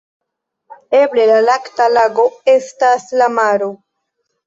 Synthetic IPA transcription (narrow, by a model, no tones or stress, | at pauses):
eblelalaktalaɡoestaslamaɾo